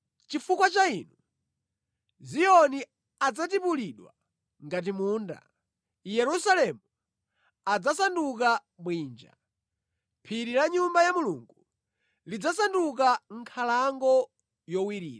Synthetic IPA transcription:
t͡ʃifukwat͡ʃainu | ziɔni | ad͡zat̬ipuliɗwa̰ | ŋɡat̬imuːnda̰ | jɛɾusalɛmu | ad͡zasanduka | mwiːnd͡ʒa̰ | pʰiɾiɾaɲumbajamuluŋɡu | lid͡zasandukaŋ̩kʰalaŋɡɔ | jɔwiɾḭːɾa

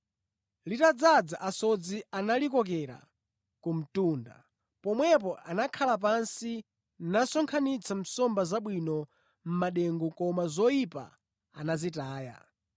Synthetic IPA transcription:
litad͡zad͡zaʔasɔd͡zianalikɔkɛɾa̰ | kum̩tuːnda̰ | pɔmwɛp̬ɔʔanakʰalap̬ansi | nasɔŋkʰanit͡sʰam̩sɔmbazaɓwinɔ | m̩maɗɛŋɡukɔmazɔipa̰ | anazitaːja̰

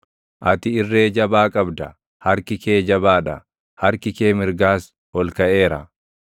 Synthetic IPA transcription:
ʔɐt̪ɪɪrːe̞ːd͡ʒɐbaːkʼɐbd̪ɐ | hɐɾkɪke̞ːd͡ʒɐbaːᶑɐ̰ | hɐɾkɪkeːmɪɾɡaːs | hɔlkɐʔe̞ːɾɐ̰

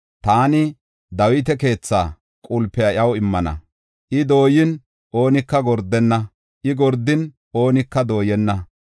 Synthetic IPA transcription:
t̪aːnɪ | d̪ɐwɪt̪̬ɛke̞ːt͡sːa̰ː | kʼʊlpːɛjɐʔjɐwɪmːɐnɐ̰ | ʔɪd̪o̞ːjɪn | ʔo̞ːnɪkːɐɡɔɾd̪ːɛnːɐ | ʔɪɡɔɾd̪ːɪn | o̞ːnɪkːɐd̪o̞ːjɛnːɐ

